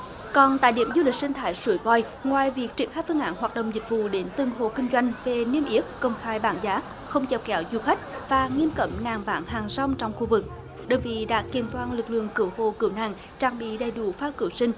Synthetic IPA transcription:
kɔ˨˩nt̪a̰ː˧˨jɗḭ˧˥əmzu˧lï˨˩k̟̚sï˧ŋ̟t̪ʰaː˧˨˦jsu˧˩əjvɔ˧˩j | ŋwaː˨˩jvi˨˩ək̚t͡ɕi˨˧˥ənxaː˧˥jfɨ˧ŋʔaː˧˩nhwaː˨˩t̚ɗə̰˧˨wŋ͡mzï˨˩k̟̚vṵ˧˨ɗe˨˦nt̪ɨ˨˩ŋɦo̰˧˨kï˧ŋ̟zwa˧jŋ̟ve˨˩ni˧əmʔi˦˥ət̚kə˧˩wŋ͡mxaː˧jɓaː˧˦nzaː˨˦ | xə˧wŋ͡mt͡ɕɛ˨˧˩w̚kɛ˨˦wzu˧xa˦˥jk̟̚vaː˨˩ŋi˧əmkə˧˩mnaː˨˩ŋɓaː˨˦nɦaː˨˩ŋsɔ˧wŋ͡mt͡ɕɔ˧wŋ͡mxu˧vɨ˨˩k̚ | ɗoː˧˩jvḭ˧˨ɗa̰ː˧˥ki˨˧˩ənt̪waː˧nlɨ˨˩k̚lɨ̰˧˨əŋkɨ˧˦əwho̰˧˨kɨ˧˩əwna̰ː˧˨ŋ | t͡ɕaː˧ŋɓḭ˧˨ɗə˨˩jɗu˧˩faː˦˥kɨ˧˩əwsï˧ŋ̟

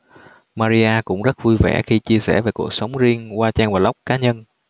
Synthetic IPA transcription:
maː˧zi˧ʔaː˧kʊ̰˧˥ŋ͡mzə˦˥t̚vu˧jvɛ̰˧˩xi˧t͡ɕi˧əsɛ̰˧˩ve˨˩ku˨˩ək̚sə˨˦wŋ͡mzi˧ənkwaː˧t͡ɕɛː˧nvaː˨˩la˦˥wk͡p̚kaː˨˦ɲə˧n

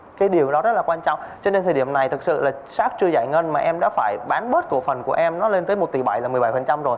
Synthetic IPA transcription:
kaː˨˦jɗi˨˩əwɗɔ˨˦zə˦˥t̚laː˨˩kwaː˧nt͡ɕɔ̰˧˨wŋ͡mt͡ɕɔ˧ne˧nt̪ʰə˨˩ɗi˧˩əmna˨˩jt̪ʰɨ˨˩k̚sɨ̰˧˨laː˨˩saː˦˥k̚t͡ɕɨ˧za̰ː˧˨jŋə˧nmaː˨˩ʔɛ˧mɗa̰ː˧˥faː˧˩jɓaː˨˦nɓəː˦˥t̚t̪o˧˩əfə˨˩nku˧˩əʔɛ˧mnɔ˨˦le˧nt̪əː˨˦jmo˨˩t̚t̪ḭ˧˨˩ɓa˧˩jlaː˨˩mɨ˨˩əɓa˧˩jfə˨˩nt͡ɕa˧mzo˨˩j

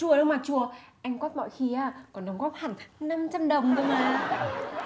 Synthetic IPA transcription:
u˨˩əɗɨ˧wŋ͡mmaː˨˩t͡ɕu˨˩əʔa˧jŋ̟kwɔː˦˥t̚mɔ̰˧˨jxi˧aː˧˩kɔ˨˩nɗɔ˨˦wŋ͡mɣɔː˦˥p̚haː˨˩nt̪ʰŋna˧mt͡ɕa˧mɗə˨˩wŋ͡mɗʊ̰˧wŋ͡mmaː˨˩

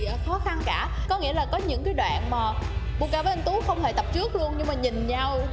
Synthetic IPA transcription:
xɔ˨˦xa˧nkaː˧˩kɔ˨˦ŋḭ˧˥əlaː˨˩kɔ˨˦ɲɨ̰˧˥ŋkaː˨˦jɗwa̰ː˧˨nmaː˨˩ɓṵ˧˩˨kaː˧˩vʔə˧nt̪u˨˦xə˧wŋ͡mhe˧˩t̪ə˨˩p̚t͡ɕɨ˦˥ək̚lu˧ənɲɨ˧ŋmaː˨˩ɲï˨˩ŋ̟ɲa˧w

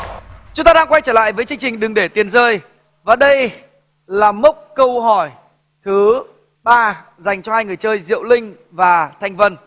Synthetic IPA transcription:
t͡ɕʊ˨˦ŋ͡mt̪aː˧ɗaː˧ŋkwa˧jt͡ɕəː˧˩la̰ː˧˨jvəː˨˦jt͡ɕɨ˧əŋt͡ɕï˨˩ŋ̟ɗɨ˨˩ŋɗe˧˩t̪i˨˩ənzəː˧j | vaː˨˩ɗə˧j | laː˨˩mə˦˥wk͡p̚kə˧wɦɔ˧˩j | t̪ʰɨ˨˦ | ɓaː˧ | za˨˩jŋ̟t͡ɕɔ˧haː˧jŋɨ˨˩əjt͡ɕəː˧jzḭ˧˨əwlï˧ŋ̟ | vaː˨˩t̪ʰa˧jŋ̟və˧n

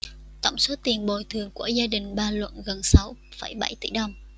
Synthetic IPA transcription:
t̪ə̰˧˨wŋ͡mso˨˦t̪i˨˩ənɓo˨˩jt̪ʰɨ˨˩əŋku˧˩əzaː˧ɗï˨˩ŋ̟ɓaː˧lwə̰˧˨nɣə˨˩nsa˨˦wfə˧˩jɓa˧˩jt̪ḭ˧˩ɗə˨˧˩wŋ͡m

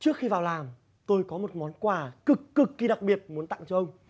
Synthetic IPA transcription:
t͡ɕɨ˦˥ək̚xi˧vaː˨˩wlaː˨˩m | t̪o˧jkɔ˨˦mo˨˩t̚mɔ˨˦nkwaː˧˩kɨ˨˩kːɨ˨˩kːi˧ɗa˨˩k̚ɓi˨˩ət̚mu˨˦ənt̪a̰˧˨ŋt͡ɕɔ˧ʔə˧wŋ͡m

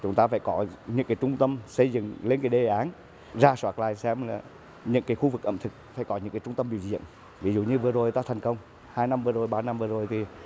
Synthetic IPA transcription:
t͡ɕʊ˨˦ŋ͡mt̪aː˧faː˧˩jkɔ˨˦ɲɨ̰˧˥ŋkaː˨˦jt͡ɕʊ˧ŋ͡mt̪ə˧msə˧jzɨ̰˧˨ŋle˧nkaː˨˦jɗe˨˩ʔaː˨˦n | zaː˧swaː˧˩t̚la̰ː˧˨jsɛ˧mlaː˨˩ | ɲɨ̰˧˥ŋkaː˨˦jxu˧vɨ˨˩k̚ʔə̰˧˨mt̪ʰɨ˨˩k̚fa̰ː˧˩jkɔ˨˦ɲɨ̰˧˥ŋkaː˨˦jt͡ɕʊ˧ŋ͡mt̪ə˧mɓḭ˧˨əwzḭ˧˨ən | vi˨˦zṵ˧˨ɲɨ˧vɨ˨˩əzo˨˩jt̪aː˧t̪ʰɛ˨˩jŋ̟kə˧wŋ͡m | haː˧jna˧mvɨ˨˩əzo˨˩jɓaː˧na˧mvɨ˨˩əzo˨˩jt̪ʰi˨˩

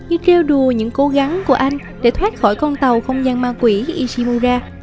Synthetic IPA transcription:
ɲɨ˧t͡ɕe˧wɗu˨˩əɲɨ̰˧˥ŋko˨˦ɣa˨˦ŋku˧˩əʔa˧jŋ̟ | ɗe˧˩t̪ʰwaː˦˥t̚xɔ˧˩jkɔ˧nt̪ə˨˩wxə˧wŋ͡mzaː˧nmaː˧kwi˧˩ʔi˧si˧mu˧zaː˧

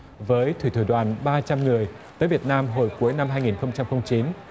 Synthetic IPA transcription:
vəː˨˦jt̪ʰwi˧˩t̪ʰu˧˩ɗwaː˨˩nɓaː˧t͡ɕa˧mŋɨ˨˩əj | t̪əː˨˦vi˨˩ət̚naː˧mɦo˨˩jku˨˦əjna˧mɦaː˧jŋi˨˩nxə˧wŋ͡mt͡ɕa˧mxə˧wŋ͡mt͡ɕi˨˦n

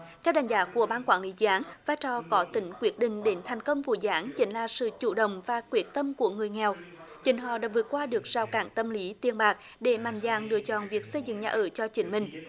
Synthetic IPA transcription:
t̪ʰɛ˧wɗa˨˩jŋ̟zaː˨˦ku˧˩əɓaː˧nkwaː˧˩nli˨˦zaː˨˦ŋvaː˧jt͡ɕɔ˨˩kɔ˨˦t̪ï˨˦ŋ̟kwi˨˦˥ət̚ɗḭ̈˧˨ŋ̟ɗe˨˦nt̪ʰa˨˩jŋ̟kə˧wŋ͡mku˧˩zaː˨˦ŋt͡ɕï˨˦ŋ̟laː˨˩sɨ̰˧˨t͡ɕṵ˧˩ɗə̰˧˨wŋ͡mvaː˨˩kwi˨˦˥ət̚t̪ə˧mku˧˩əŋɨ˨˩əjŋɛ˨˩wt͡ɕï˨˦ŋ̟ɦɔ̰˧˨ɗaː˧˥vɨ˨˩ət̚kːwaː˧ɗɨ˨˩ək̚z̥aː˨˩wkaː˧˩ŋt̪ə˧mli˨˦t̪i˧ənɓaː˨˩k̚ | ɗe˧˩ma˧˩jnzaː˧˨˩ŋlɨ̰˧˥ət͡ɕɔ̰˧˨˩nvi˨˩ək̚sə˧jzɨ̰˧˨ŋɲaː˨˩ʔɨː˧˩t͡ɕɔ˧t͡ɕï˨˦ŋ̟mï˨˩ŋ̟

